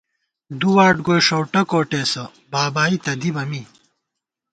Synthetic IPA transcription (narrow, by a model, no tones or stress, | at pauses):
d̪uwaːʈɡojʂowʈɐkoːʈeːsɐ | baːbaːit̪ɐd̪ibɐmi